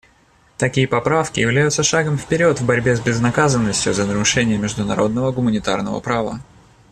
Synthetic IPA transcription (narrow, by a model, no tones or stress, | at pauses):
t̪ɐkʲijəpɐpɾafkʲɪ̰jɪvlʲæjʊt̪səʂaɡəmfpʲɪɾʲo̞t̪vbɐɾʲbʲe̞zʲbʲɪznɐkazənːəsʲtʲjʊzənəɾʊʂɛnʲɪjəmʲɪʐd̪ʊnɐɾo̞d̪̚nəvəɡʊmənʲɪt̪a̰rnəvə̰pɾavə̰